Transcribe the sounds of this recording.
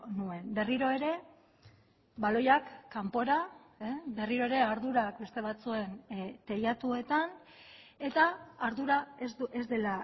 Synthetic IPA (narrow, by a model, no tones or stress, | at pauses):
nue̞nbe̞riɾo̞e̞ɾe̞ | βalo̞jakːampo̞ɾa | be̞riɾo̞e̞ɾe̞aɾðuɾak̚be̞st̪e̞β̞at͡sue̞nt̪e̞jat̪ue̞t̪an | e̞t̪aːɾðuɾaezd̪e̞la